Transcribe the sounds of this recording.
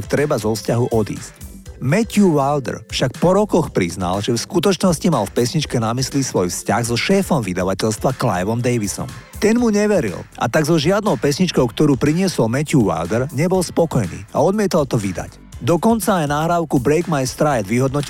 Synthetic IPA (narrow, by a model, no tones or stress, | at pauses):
kt̪ɾɛbazɔfscaɦuʔɔd̪ḭːsc | mɛcuʋald̪ɛ̰ɾfʃak̚pɔɾɔkɔxpɾizna̰lʒɛfskut̪ɔt͡ʃnɔscimalfpɛsɲit͡ʃkɛnamislisʋɔjfsca̰ɣzɔʃɛːfɔmʋid̪aʋacɛʎst̪ʋakla̰jʋɔmd̪ɛjʋisɔ̰mt̪ɛnmuɲɛʋɛɾḭlʔa̰t̪aɡzɔʒɪad̪nɔʊpɛsɲit͡ʃkɔʊkt̪ɔɾuːpɾiɲɪɛsɔlmɛcuʋa̰ld̪ɛɾɲɛbɔlspɔkɔjnḭːa̰ɔd̪mɪɛt̪alt̪ɔʋid̪a̰c | d̪ɔkɔnt͡saːjnaːɦɾaːʊkubɾɛjɡmajst̪ɾajd̪ʋiɦɔd̪nɔci